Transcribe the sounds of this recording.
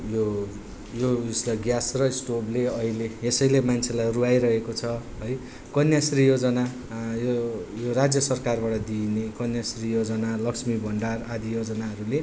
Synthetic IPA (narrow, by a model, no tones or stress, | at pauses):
jo | joislʌɡjasrʌisʈobleʌileesʌjlemant͡sʰelajruajɾʌɦekot͡sʰʌɦʌj | kʌnjasrijod͡zʌna | jojorad͡zjʌsʌrkarbaʈʌd̪inekʌnjasrijod͡zʌnalʌksmibʱʌɳɖarad̪ijod͡zʌnaɦʌɾule